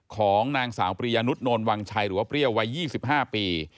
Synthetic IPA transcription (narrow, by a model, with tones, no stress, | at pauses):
kʰɔː˩˦ŋnaː˧ŋsaː˩˦wpɾi˧jaː˧nu˦˥t̪̚noː˧nwa˧ŋt͡ɕʰa˧jɾɯː˩˦waː˥˩pɾi˥˩əwa˦˥jːiː˥˩si˨˩p̚ɦaː˥˩piː˧